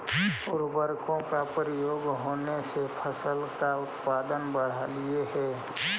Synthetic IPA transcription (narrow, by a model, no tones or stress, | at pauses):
ʊɾbəɾkõkapəɾɪjoːɡɦoːnesepʰəsəlkaʊt̪paːd̪ənbəɽ̤alieɦɛ